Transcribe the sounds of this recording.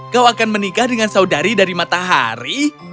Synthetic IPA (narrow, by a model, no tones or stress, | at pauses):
kawakanmənikahdəŋansaudaɾidaɾimat̪aɦa̰ɾi